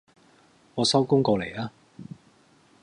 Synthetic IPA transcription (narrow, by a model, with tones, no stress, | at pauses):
ŋɔː˨˧sɐ˥wkʊ˥ŋkɔː˧le˨˩jaː˦˥